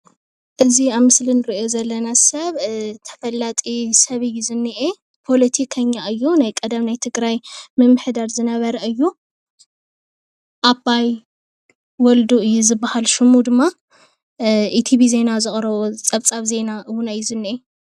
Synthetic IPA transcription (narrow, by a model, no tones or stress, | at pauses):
ʔɨziaβmɨslinɨɾiʔio̞zɐlːɐnasɐβt̪ʰɐ̥fɐlːat̪ʼisɐβɨjːuzɨnːiʔe | pʰo̞lɐt̪ʰikʰɐɲːaʔɨjːunajkʼɐd̪ɐmnajt̪ʰɨɡɾajmɨmːɨħd̪aɾzɨnɐβɐɾɐʔɨjːu | ʔabːaj | wɔld̪uʔɨjːuzɨbːahalʃɨmːud̪ɨmːa | ʔit̪ʰiβize̞nazɨxʼɾɐβot͡sʼɐβt͡sʼaβze̞naʔɨwʊnajːuzɨnːiʔe